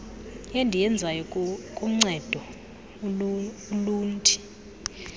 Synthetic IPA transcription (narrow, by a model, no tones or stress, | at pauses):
jɛndʱijɛnd͡zʱwajɔkʼum̩ŋ͡ǀɛd̥ʱɔ | uluːntʰʼi̥